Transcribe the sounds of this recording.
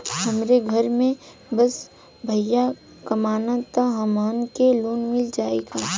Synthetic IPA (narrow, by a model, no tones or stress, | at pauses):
ɦɐmɾeɡʱɐɾmẽ | bɐs | bʱɐjːa | kɐmaːnat̪aɦamaːnkeloːnmɪld͡ʒaːeːɡaː